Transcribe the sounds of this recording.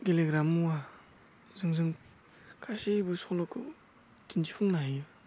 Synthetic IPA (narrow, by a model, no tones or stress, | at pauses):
ɡeleɡɾamuwa | zɯŋzɯŋ | kʰasibɯsɔŋlɔkʰɯ | tind͡ʒipʰuŋnaɦijɯ